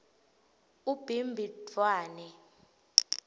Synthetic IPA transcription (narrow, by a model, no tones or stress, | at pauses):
ub̥ʱimbʱidwaːnɛ